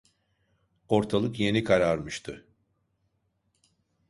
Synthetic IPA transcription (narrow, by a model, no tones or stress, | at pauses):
o̞ɾt̪ʰalˠɯkje̞nikʰaɾaɾmɯʃt̪ʰɯ